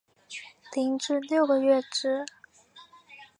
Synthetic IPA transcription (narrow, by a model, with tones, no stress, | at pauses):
t̪i˧˥ŋʈ͡ʂɻ̩˥˧ljo˥˩ʊɡə˨˧ɥɛ˥˩ʈ͡ʂɻ̩˥